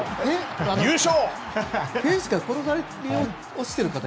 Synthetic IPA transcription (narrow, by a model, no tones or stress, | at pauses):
eanjɯːɕoː | hẽɰ̃ɕi̥ɡakoɾosaɾeɾio | oɕi̥t̪eɾɯ̟kat̪a